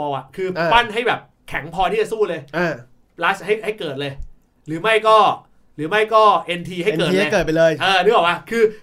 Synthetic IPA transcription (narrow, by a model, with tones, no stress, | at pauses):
ɔ˧ʔa˨˩ʔkʰɯː˧pa˥˩nɦa˥˩jbɛː˨˩p̚ | kʰɛ˩˦ŋpʰɔː˧t̪ʰiː˥˩t͡ɕa˨˩suː˥˩lɤː˧jaː˧˩ | plaː˦˥sha˥˩jha˥˩jkɤː˨˩t̪̚lɤː˧j | ɾɯː˩˦ma˥˩jkɔː˥˩ | ɾɯː˩˦ma˥˩jkɔː˥˩ʔe˧nt̪ʰiː˧ɦa˥˩jkɤː˨˩t̪̚ːkːt̪̚pa˧jlɤː˧jʔɤː˧ɯː˧˥˩bɔː˨˩k̚wla˧˩kʰɯː˧